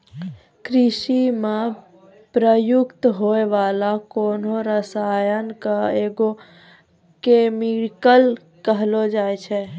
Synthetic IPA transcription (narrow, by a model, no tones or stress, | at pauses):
kɾiʃime | pɾəjukt̪ɦoeʋalakonoɾəsajənkaeɡo | kemikəl | kəɦlod͡ʒajt͡ʃʰɛ